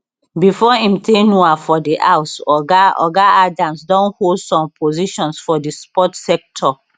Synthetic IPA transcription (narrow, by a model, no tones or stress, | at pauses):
bifɔĩmtẽnuafɔdiʔawsɔɡaɔ̰ɡaʔadãmsdɔ̃nholdsɔ̃mpoziʃɔ̃nsfɔdispɔtsɛk̚tʰɔ